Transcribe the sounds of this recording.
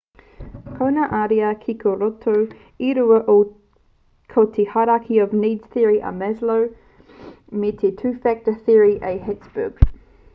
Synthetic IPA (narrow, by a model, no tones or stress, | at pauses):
kʰownɐʔaɾiɐkʰikʰoɾotʰo | iɾuɐʔo | kʰot̪ʰehaɾakʰiɔvniːdz̥θiəɹiʔə̰mɛzlow | met̪ʰetʰʉːfæk̚təθiəɹiʔeɦɛtsb̥ṵɡ